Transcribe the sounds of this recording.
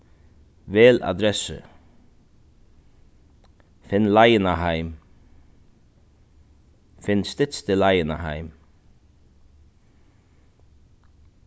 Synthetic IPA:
ʋeːla̰d̪ɾɛsə̰ | fɪnlæjənahæɪm | fɪnst̪ɪt̪st̪ʰɪlæɪənahæɪm

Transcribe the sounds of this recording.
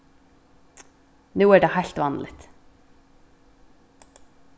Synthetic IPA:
nuːæːɖeːhæɪɬt̪ʋɑnlɪt̪

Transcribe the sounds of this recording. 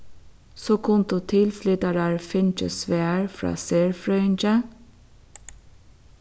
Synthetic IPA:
soːkʰʊnt̪ʊt̪ʰɪlflʏt̪ɑɾæːɹfɪnt͡ʃə̰sʋeːəɹfɹɑ̰ːseːɹfɾœnd͡ʒə

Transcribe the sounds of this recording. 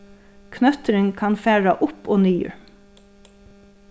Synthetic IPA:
kʰnœt̪əɾəŋkʰɑnfæːɹɑʔʊpʰoːnyːə̰ɹ

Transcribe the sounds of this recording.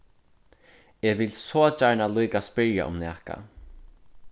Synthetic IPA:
ɛvɪlsɔːt͡ʃajnaluːjkaspɪɾja̰ʔʊ̰mnɛːhka̰

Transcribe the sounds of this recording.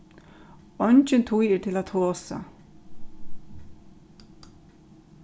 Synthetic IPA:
ɔɲt͡ʃɪnt̪ʰujɛːɹt̪ʰɪlat̪ʰoːsa̰

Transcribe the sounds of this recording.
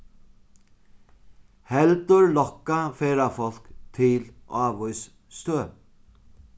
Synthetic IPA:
hɛlt̪əɹlɔkafeːɾafɔl̥kt̪ʰɪlʔɑːʋɔʏs | st̪øː

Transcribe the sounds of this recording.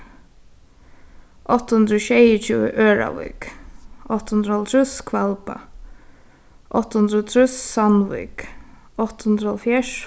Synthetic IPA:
ʔɔht̪ːhʊnd̪ɾɔːʃɛːjət͡ʃʰiːə̰ʔøːɹa̰vɪ̰kʔɔht̪hʊnd̪ɾəhɔlt̪ʰɾʉskʰvalpa̰ | ʔɔht̪ːhʊnd̪ɾɔt̪ʰɾʉssanvḭk | ɔht̪hʊnd̪ɾəhɔlfjɛʂ

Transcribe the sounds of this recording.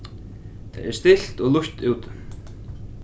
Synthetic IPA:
t̪ʰa̰jɛ̰ɾst̪ɪl̥t̪ɔɣluç̥t̪uːwt̪

